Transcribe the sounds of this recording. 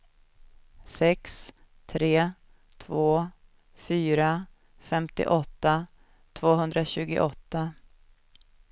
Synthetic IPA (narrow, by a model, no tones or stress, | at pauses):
sɛks | t̪ʰɾeː | t̪ʰvoː | fyːɾa | fɛmt̪ɪ̰ʔɔt̪ːa | t̪ʰvoːɦɵnd̪ɾaɕʉ̟ːɡʊ̰ʔɔt̪ːa